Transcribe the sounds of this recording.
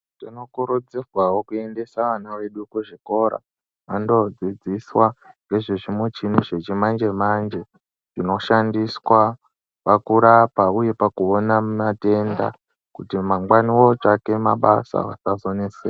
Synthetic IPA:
tino̞kuɾod͡zerwawokue̞nde̞saʋanaʋe̞ɗukuʐiko̞ɾa̰ | ʋando̞d͡zid͡ziswaŋɡe̞ʐeʐimot͡ʃinuʐet͡ʃimand͡ʒe̞mand͡ʒe̞ | ʐino̞ʃandiswa | pakuɾapauje̞pakuonamate̞nda̰ | kutimaŋɡwaniwo̞t͡ʂake̞ma̰ɓasa̰ʋa̰sazonese

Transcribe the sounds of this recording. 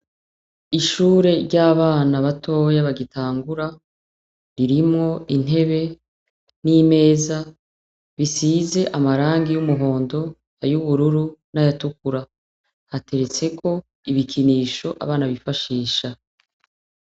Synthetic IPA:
iʃuːɾe̞ɾɟaːβaːnaβatʰo̞ːjaβaɡitʰaːŋɡuɾa | ɾiɾimŋo̞in̥ɦe̞βe̞ | nime̞ːza | βisiːze̞ʔamaɾaːŋɡijumuɦo̞ːndo̞ | ajuβuɾuɾunajatuk̚uɾa | hate̞ɾe̞t͡se̞ko̞ | iβikʰiniːʃo̞ʔa̰βaːnaβifaʃiːʃa

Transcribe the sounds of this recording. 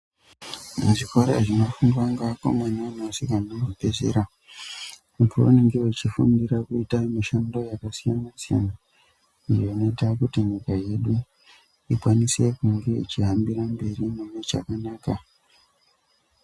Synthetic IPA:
muʐiko̞ɾeʐino̞fuŋɡwaŋɡako̰maɲanosikannoɡʱopezḛɾa | upoo̰niŋɡewet͡ʃifundiɾakuitamiʃando̞jakasijanasija̰na | ijoino̞itakutiɲikaje̞ɗu | ikwanise̞kuŋɡeḭt͡ʃiɦambiɾambe̞rinemwet͡ʃa̰kanaːka

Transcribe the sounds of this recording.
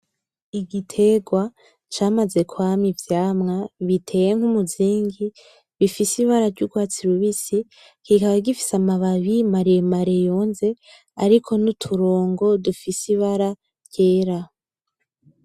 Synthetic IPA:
iɡitʰe̞ɡwa | t͡ʃaːmaze̞kwaːmivjaːmŋaβitʰe̞ːjeŋ̥humuziːŋɡi | βifisiβaɾaɾɟuɡwaːt͡siɾuβisi | kikaβaɡifi̥samaβaβimaɾejemaɾejo̞ːnze̞ | aɾikʰo̞nutʰuɾo̞ːŋɡo̞dufisiβaɾa | ɾɟe̞ːɾa

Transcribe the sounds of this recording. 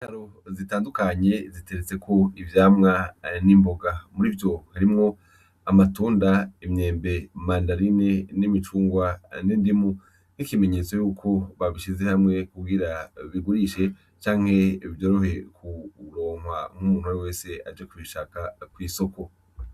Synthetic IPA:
itaɾo̞ | zitaːndukaɲe̞zite̞ɾet͡se̞kʰo̞ivjaːmŋanimbo̞ɡamuɾivjo̞haɾimŋo̞ | amatuːndaimɲe̞ːmbe̞mandaɾine̞nimit͡ʃuːŋɡwanindimu | nikime̞ɲe̞t͡so̞juːkʰo̞βaβiʃize̞hamŋe̞kubɡiɾaβiɡuɾiʃe̞ | t͡ʃaːŋ̥he̞vjo̞ːɾo̞ɦe̞kʰuɾoːŋ̥wam̥umuːn̥uajewe̞ːse̞ad͡ʒekuβiʃakakwiːso̞ko̞

